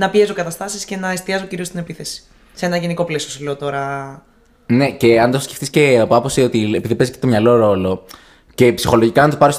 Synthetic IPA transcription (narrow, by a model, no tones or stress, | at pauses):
nɐpie̞zokɐt̪ɐst̪ɐsisce̞nɐest̪iɐzociɾiost̪ine̞piθe̞si̥ | see̞nɐʝe̞niko̞plesio̞sɐle̞ot̪o̞ɾɐ | ne̞ce̞ɐnd̪ossceft̪isce̞ɐpɐposio̞t̪iepiðipezi̥cet̪omɲɐlo̞ɾo̞lo̞ | ce̞psixo̞lo̞ʝikɐnt̪opɐɾis